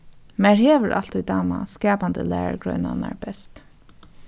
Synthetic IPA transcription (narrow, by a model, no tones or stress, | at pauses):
mɛɹheːʋəɹʔal̥t̪ujd̪ɑːmaskɛːpand̪əlæ̰ːɹaɹɡɹœɥnanaɹbɛst̪